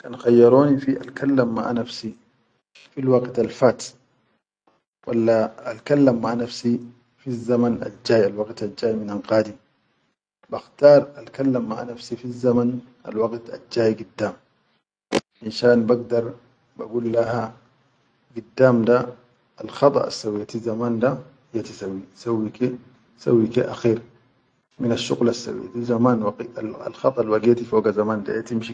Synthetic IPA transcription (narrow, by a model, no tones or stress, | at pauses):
kanxajːɑɾoːnifiʔa̰lkʰalːamːa̰ʔnafsi | filwɑɡt̪alfaːt̪ | wʔalːaːlkalːamːaʔnafsi | fizːamana̰ld͡ʒaːjalwɑɡt̪ald͡ʒaːjminanqaːd̪i | baxt̪ɑːɾˤalkalːamːa̰ʔnafsifizːaman | ʔa̰lwɑɡt̪a̰ld͡ʒaːjɡid̪ːaːm | inʃaːnbaɡ̚d̪ɑɾˤ | ba̰ɡulːaha | ɡidːaːmdaː | lxɑt̪ˤɑ̰ʔa̰sːawijat̪izamanda | jat̪isawːisawːike | sa̰wːikeʔaxiːɾ | minaʃːṵɣlasːa̰wḭtizamaːnwa̰lxɑt̪ˤɑlwaɡiat̪ifoːɡazamaːnda̰jat̪imʃi